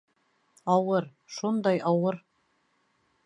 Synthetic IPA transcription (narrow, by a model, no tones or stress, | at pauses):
ɑwɤɾ | ʃund̪ɑjɑwɤɾ